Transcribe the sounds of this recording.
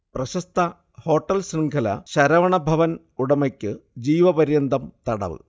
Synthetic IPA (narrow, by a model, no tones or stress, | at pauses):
prɐɕɐst̪ʰɐ | ho̞ːʈːɐlsriŋɡʰʱɐlɐ̰ɕɐɾɐʋɐɳɐbʱɐʋɐn | uɽɐmɐkʲːɨd͡ʑiːʋɐpɐɾjɐnd̪ʱɐmt̪ɐɽɐ̰l